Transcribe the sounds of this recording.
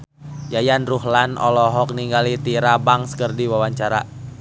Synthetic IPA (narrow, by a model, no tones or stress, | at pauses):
jajanruhlanɔ̰lɔɦɔk̚niŋɡalit̪iɾabaŋskərdiwawaɲt͡ʃaɾa̰